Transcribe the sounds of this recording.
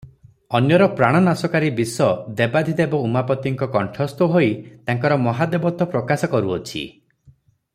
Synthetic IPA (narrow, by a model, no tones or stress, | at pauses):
ɔnjɔɾɔpɾaɽ̃ɔnasɔkaɾibisɔd̪ebad̪ʱid̪ebɔumapɔt̪iŋkɔkɔɳʈʰɔst̪ɔɦoit̪aŋkɔɾɔmɔɦad̪ebɔt̪ɔpɾɔkasɔkɔɾuɔt͡ʃʰḭ